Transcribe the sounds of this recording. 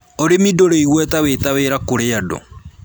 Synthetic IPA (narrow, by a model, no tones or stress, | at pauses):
oɾemidoɾeiɣwɛtawetaweɾakoɾeadɔ̰